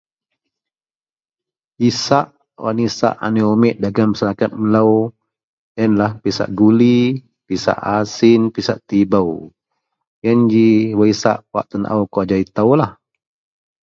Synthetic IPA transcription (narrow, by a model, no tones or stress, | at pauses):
isaʔ | wa̰nisa̰ʔa̰niomɪʔ̚daɡamsəɾakat̪̚məlaw | jənlahpisa̰ʔɡuli | pisa̰ʔasinpisa̰ʔt̪ibaw | jənd͡ʒiwaisa̰ʔwa̰ʔt̪ənʔa̰wkoad͡ʒait̪awlah